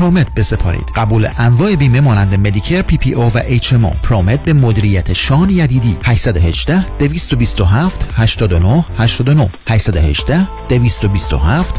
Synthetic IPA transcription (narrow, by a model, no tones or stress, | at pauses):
pɾoːmet̪̚be̞sepʰɒ̰ːɾḭːd̪̥ɢæbuːleʔæɱvɒːʔe̞biːmemɒːnænd̪e̞med̪icʰeɾpʰiːpʰiʔovæʔet͡ʃʰemo̰pʰɾoːmet̪̚be̞mod̪iːɾijæt̪ʰeʃɒːnjæd̪iːd̪iːhæʃsæd̪ohe̞d͡ʒd̪æhd̪̥eviːst̪obiːst̪oɦæːft̪hæʃt̪ɒːd̪onohhæʃt̪ɒːd̪onohhæʃsæd̪ohe̞̰ʒd̪æhd̪̥eviːst̪obiːst̪o̰ɦæːft̪